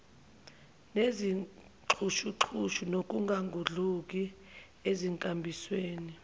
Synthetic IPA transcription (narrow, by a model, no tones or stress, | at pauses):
nezi | ǁʰuʃuǁʰuʃunok̬ʼuŋɡʱaŋɡʱuɮuk̬ʼi | eziŋkʼambʱisweːni